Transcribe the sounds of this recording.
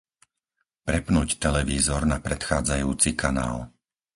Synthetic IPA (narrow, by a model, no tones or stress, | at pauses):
pɾɛpnuːct̪ɛlɛʋiːzɔɾnapɾɛt̪xaːd͡zajuːt͡sikʰana̰ːl